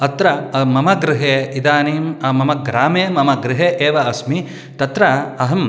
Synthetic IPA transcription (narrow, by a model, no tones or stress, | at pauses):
ɐt̪ɾɐmɐmɐɡɾɪɦeːid̪aːniːmmɐmɐɡɾaːmeːmɐmɐɡɾɪɦeːʔeːʋɐɐsmi | t̪ɐt̪ɾɐɐɦɐm